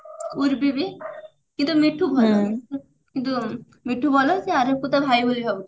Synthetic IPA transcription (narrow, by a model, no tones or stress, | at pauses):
uɾbibe | kint̪umiʈʰːubʱɔl | kint̪u | miʈʰːubʱɔlɔɦseaɾekut̪abʱajboliɦɔbut̪